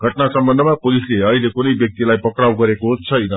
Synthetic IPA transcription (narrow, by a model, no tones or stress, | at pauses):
ɡʱʌʈnasʌmbʌnd̪ʱʌmapolisleʌɦilekunʌjbjʌk̚t̪ilajpʌkɽawɡʌɾekoɦt͡sʰʌjnʌ